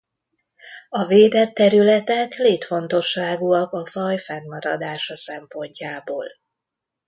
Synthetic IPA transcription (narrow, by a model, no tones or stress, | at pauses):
ɒveːd̪ɛt̪ːɛɾylɛt̪ɛkleːt̪fo̞nt̪o̞ʃːaːɡuɒkɒfɒjfɛmːɒɾɒd̪aːʃɒsɛmpo̞ɲcaːboːl